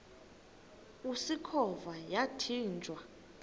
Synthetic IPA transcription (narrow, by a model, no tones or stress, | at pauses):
usikʰɔvajatʰiːnd͡ʒʱʼwa